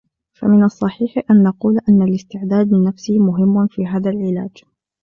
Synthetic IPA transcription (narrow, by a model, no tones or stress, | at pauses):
fa̰mɪnɑsˤːɑħiːħʔanːɑquːlʔanːalɪst̪ɪʕd̪aːd̪mɪnːafsimʊɦɪmːfiːɦaːðalʕɪla̰ːd͡ʒ